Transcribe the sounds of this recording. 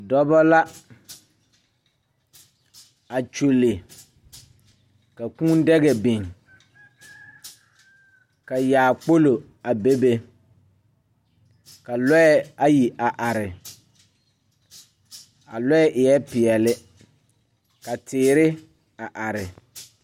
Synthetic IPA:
dɔ˦bɔ˦la˦ | a˨t͡ʃu˨lɪ˨ | ka˨kũ˦n˦dɛ˦ɣɛ˨bi˨ŋ | ka˨jaː˨k͡po˦lo˨ | a˨be˦be˦ | ka˨lɔ˦ɛ˦a˦ji˨ʔa˨ʔa˨ɾɪ˨ | a̰˨lɔ˦ɛ˦ʔɪ˨ɛ˦pɪ˨ɛ˨lɪ˦ | ka˨tɪː˨ɾɪ˦ | a˨ʔa˨ɾɪ˨

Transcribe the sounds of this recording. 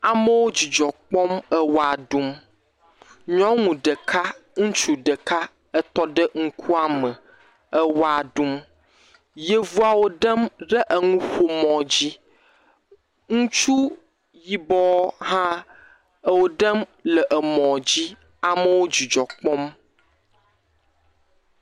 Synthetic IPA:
a˨mə˦wo˦d͡ʑi˨d͡ʒɔ˨k͡pɔ̃˦mə˦wa˨ɖũ˦m | ɲɔ̃˦ŋũ˨ɖə˨kʰa˦ŋũ˦t͡ʃu˦ɖə˨ka˦ | ə˦t̪ɔ˦ɖə˦ŋ̩˦kʰu˦a˦mə˨ | ə˦wa˨ɖu˦m | je˦vu˦a˨wo˨ɖə˦mɖə˦ʔə˨ŋũ˦xo˨mɔ̃˨d͡ʑi˦ | ŋũ˦t͡ʃu˦ | ji˨bɔ˦ɦã˦ | ə˦˨wo˨ɖə˦mlə˨ʔə˨mɔ̃˨d͡ʑi˦ | a˨mə˦wo˦d͡ʑi˨d͡ʒɔ˨k͡pɔ˦m

